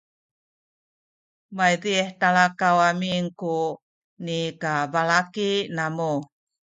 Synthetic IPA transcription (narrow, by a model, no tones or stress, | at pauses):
majdieħtalakawamiŋku | nikabalakinamu